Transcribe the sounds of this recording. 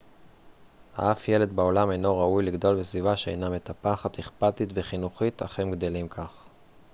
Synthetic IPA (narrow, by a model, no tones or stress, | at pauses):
ha̰ʔafje̞le̞d̪bao̞lame̞jno̞ʁaujliɡd̪o̞lbesvivaʃeḛjname̞t̪apaχat̪eχpat̪it̪veχinuχit̪ʰa̰χemɡd̪e̞limkʰaχ